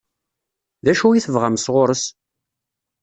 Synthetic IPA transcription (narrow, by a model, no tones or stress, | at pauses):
ðæʃujiθəvʁamsʁʊɾəs